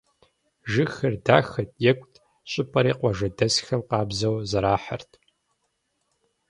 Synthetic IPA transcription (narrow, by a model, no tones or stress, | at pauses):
ʒɨxɐrdaːxɐtʼjɛkʷʼtʰ | ɕʼɪpʰʼɐɾiːqʷɔʒɐdɐsxɐmqɑːbzɐwzɐɾaːħa̰rtʰ